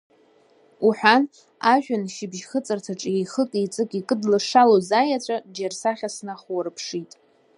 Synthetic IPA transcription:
uħʷᶣan | aʒᶣanʃɪbʒχət͡sʼɨrtʰaʈ͡ʂʼejχəkʼijt͡sʼɨkʼikʼɨdlɨʂalozajat͡ɕʷʼad͡ʒarsaχʲasnaχwarɨpʰʂitʼ

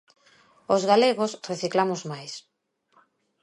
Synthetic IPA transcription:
ozɣaleɣosreθiklamʊzmajs

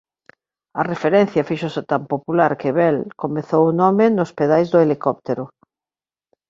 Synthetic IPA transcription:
ɐrefeɾɛn̟θjafiʃoset̪ampopulaɾkɪβɛlkomeθowʊnɔmɪnospeðajzðʊelikɔp̚t̪eɾʊ

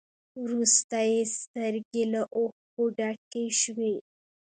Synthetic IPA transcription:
wɾust̪ajest̪əɾɡelaʔoxkoɖakeʃwe

